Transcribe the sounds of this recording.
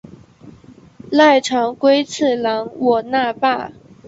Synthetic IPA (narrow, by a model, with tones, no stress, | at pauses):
la˥˩ɪʈ͡ʂʰɑ˧˥ŋkwe˥ɪt͡sʰɹ̩˥˩lɑ˧˥ŋwɔ˨˩na˥˧pa˥˩